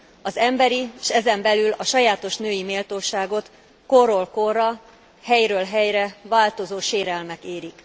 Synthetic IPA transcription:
ɒzɛmbɛɾiʃɛzɛmbɛlylɒʃɒjaːt̪o̞ʃnøːjimeːlt̪oːʃaːɡo̞t̪ | koɾolkorːɒ | hɛjɾøːlɦɛjɾɛvaːlt̪o̞zoːʃeːɾɛlmɛkeːɾik

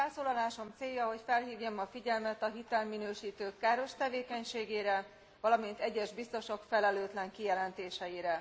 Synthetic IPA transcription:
ɛlsoːlɒlaːʃo̞mt̪seːjːɒɦo̞cfɛlɦiːvjɒmɒfiɟɛlmɛt̪ɒɦit̪ɛlminøːʃiːt̪øːkːaːɾo̞ʃt̪ɛveːkɛɲʃeːɡeːɾɛ | vɒlɒmint̪ɛɟːɛʒbist̪o̞ʃo̞kfɛlɛløːt̪lɛŋkijɛlɛnt̪eːʃɛjiɾɛ

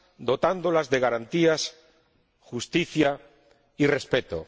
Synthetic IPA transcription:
d̪o̞t̪and̪olazðeɣaɾant̪ias | xust̪iθja | irespet̪o̰

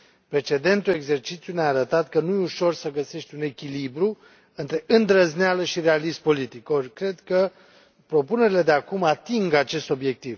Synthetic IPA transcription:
pɾe̞t͡ʃe̞d̪e̞nt̪ueɡze̞rt͡ʃit̪sjuneaːɾət̪at̪kənujuʃo̞rsəɡəse̞ʃt̪ʲune̞kʲilibɾu | ɨnt̪ɾe̞ʔɨnd̪ɾəznealəʃiɾealispo̞lit̪iko̞rʲkɾe̞d̪kə | pɾo̞pune̞ɾile̞d̪eakumat̪iŋɡat͡ʃe̞st̪o̞bje̞k̚t̪iv

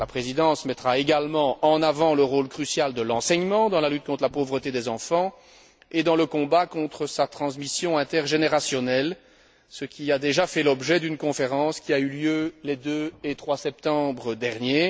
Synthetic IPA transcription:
lapχezid̪ɑ̃smɛt̪χaeɡalmɑ̃ɑ̃navɑ̃ləʁolkχysjald̪əlɑ̃sɛɲmɑ̃d̪ɑ̃lalyt̪̚kɔ̃t̪χəlapovʁət̪ed̪ɛzɑ̃fɑ̃ | ed̪ɑ̃ləkɔ̃bakɔ̃t̪χəsat̪χɑ̃smisjɔ̃ɛ̃t̪ɛʁʒeneʁasjɔnɛl | səkʲiad̪eʒafɛlɔbʒɛd̪ynkɔ̃feʁɑ̃skʲiayljølɛd̪øet̪χwasɛp̚t̪ɑ̃bʁəd̪ɛʁnje

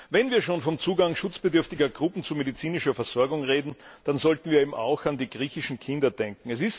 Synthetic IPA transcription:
vɛnviːɐʃoːnfɔmt͡suːɡaŋʃʊt͡sb̥ɪdʏɐftɪɡɐɡʁʊpn̩t͡sumedit͡siːnɪʃɐfɛɐz̥ɔɐɡʊŋʁeːdn̩d̥anzɔltn̩viːɐeːbm̩ʔa̰ʊxandiːɡʁiːçɪʃn̩kʰɪndɐd̥ɛŋkŋ̩ɛs̬ɪst

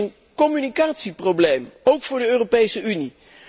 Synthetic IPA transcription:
ən | kɔmynikaːtsiprowblejmowkfʊːɹdəøːropejsəʔyni

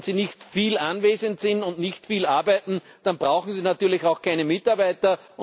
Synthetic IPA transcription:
nz̥iːnɪçtfiːlanveːzəntsɪntʊntnɪçtfiːlaɐbæɪtn̩ | d̥anb̥ʁaʊxŋ̩siːnatyːɐlɪçaʊxkʰaɪnəmɪtaɐbæɪtɐ | ʔʊ

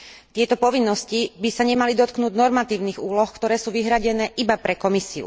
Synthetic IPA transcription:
t̪ɪɛt̪ɔpɔʋinːɔscibisaɲɛmalid̪ɔt̪knuːɟnɔɾmat̪iːʊniːɣuːlɔxkt̪ɔɾɛːsuːʋiɦɾaɟɛnɛːʔibapɾɛkɔmisiṵ

